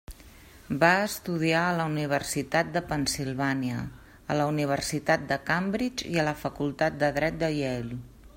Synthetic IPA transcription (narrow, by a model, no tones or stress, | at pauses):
baəst̪uð̞iaələuniβ̞ərsit̪at̪̚d̪əpənsilˠβaniə̰ː | ləuniβ̞ərsit̪at̪̚d̪əkambɾid͡ʒiələfəkulˠt̪at̪̚d̪əðɾɛt̪̚d̪əjɛl